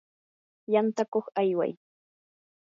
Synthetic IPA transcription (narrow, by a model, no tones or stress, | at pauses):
jant̪akoχajwa̰j